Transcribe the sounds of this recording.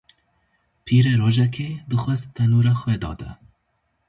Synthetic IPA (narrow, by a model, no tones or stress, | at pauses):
pʰiːɾeɾoːʒɛkʰed̪ɨxwɛzt̪ʰɛnuːɾɑːxwɛd̪ɑ̰ːd̪ɛ̰